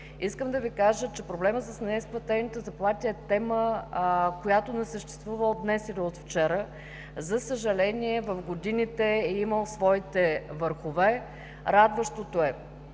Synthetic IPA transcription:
iskəmd̪ɐvikaʒət͡ʃɛpɾoblɛmət̪səsnɛisplˠɐt̪ɛnit̪əzɐplˠat̪ʲəɛt̪ɛmə | kojat̪onɛsəʃt̪ɛ̥st̪vuvəd̪nɛsiliot̪ft͡ʃɛɾə | zəsəʒɐlɛnʲiɛvɐfɡod̪init̪ɛɛiməlˠsvɔit̪ɛvəɾxovɛ | ɾad̪vəʃt̪ot̪oɛ

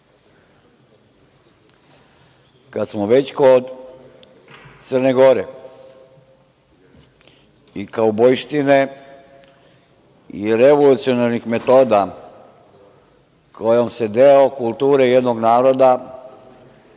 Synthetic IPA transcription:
kad̪smoʋe̞t͡ɕkod̪ | t̪srneɡo̞ɾe | ikaobojʃt̪ine | iiɾeʋolut̪sijonaɾnixme̞t̪o̞ːd̪a | kʰojomse̞d̪eokulˠt̪uːɾeje̞d̪noɡnaːɾo̞d̪a

